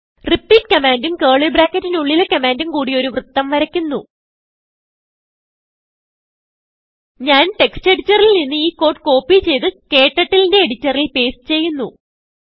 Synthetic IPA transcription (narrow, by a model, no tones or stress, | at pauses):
ripːiːʈ̚kɐmaːndumkeːɭibraːkːɐtːinuɭːilɐkɐmaːndumkuːɽijo̞ɾuʋrɨt̪ːɐmʋɐɾɐkʲːunːu | ɲaːnʈe̞kst͡ɕeɽit͡ɕːɐrilninːɨiːko̞ːrʈːɨko̞ːpːit͡ɕe̞jt̪ɨke̞ːʈːɐʈːilinde̞ːɽitːɐrilpe̞ːst͡ɕe̞jːunːu